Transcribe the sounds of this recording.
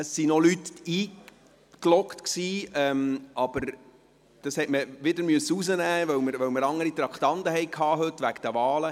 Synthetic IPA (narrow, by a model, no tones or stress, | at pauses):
əsːinɔlyt̪iː | klɔkt̪ksiːɛmʔɑb̥əɾ | d̥ɑshɛtməʋɪdəɾmyəsːəuzənæːʋœwməɾʋœwməɾɑŋəɾit̪ɾɑkχt̪ɑnt̪əɦɛɪkʰhɑːɦɵt̪ʋækd̥̪æʋɑːlə